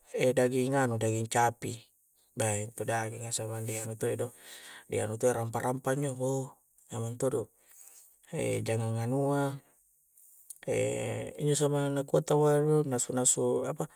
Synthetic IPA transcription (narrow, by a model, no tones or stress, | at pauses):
edaɡiŋanudaɡiɲt͡ʃapi | baint̪odaɡiŋasamandianut̪oedodḭa̰nut̪oeɾampaɾʔampaɲd͡ʒobo | ŋamant̪odo | ḛd͡ʒaŋaŋanua | ḛḭɲd͡ʒos̬amanakuat̪awadonasunasuapa